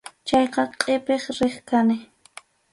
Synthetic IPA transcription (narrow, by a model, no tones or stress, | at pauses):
t͡ʃɑjqɑqʼepeχɾɪχkanɪ